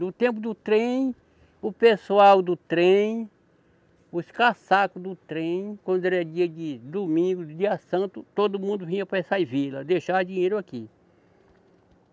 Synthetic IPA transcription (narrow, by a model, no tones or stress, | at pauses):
ʊt̪ẽp̬ʊd̪ʊt̪ɾẽj̃ | ʊpesuawd̪ʊt̪ɾẽj̃ | ʊskasakʊd̪ʊt̪ɾẽj̃kwɐ̃nd̪ɛɾɛd͡ʒiɐd͡ʒɪd̪umĩɡʊd͡ʒiɐsɐ̃t̪ʊt̪od̪ʊmũnd̪ʊvĩɲɐpɾɐsajvilɐd̪eʃad͡ʒĩɲeɾʊaki